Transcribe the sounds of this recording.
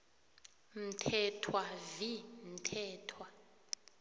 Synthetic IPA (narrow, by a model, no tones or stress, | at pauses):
m̩tʰɛtʰwavim̩tʰɛːtʰwa